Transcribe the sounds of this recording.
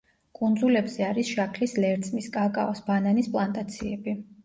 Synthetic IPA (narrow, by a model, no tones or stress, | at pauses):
kʼund̪zulɛbz̥ɛaɾisʃakʰlislɛɾt̪sʰʼmiskʼakʼa̰ɔsb̥ananispʼlˠant̪ʼat̪sʰiɛbi